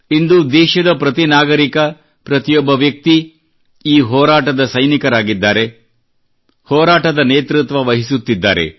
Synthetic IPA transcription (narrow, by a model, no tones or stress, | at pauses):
ind̪ud̪ɛːʃɐd̪ɐpɾɐt̪inaːɡɐɾikɐ | pɾɐt̪ijɔbːɐʋjɐk̚t̪i | iːɦɔːɾaːʈɐd̪ɐsɐjnikɐɾaːɡid̪ːaːɾe̞ | hɔːɾaːʈɐd̪ɐneːt̪ɾut̪ʋɐʋɐɦisut̪ːid̪ːa̰ːɾe̞̰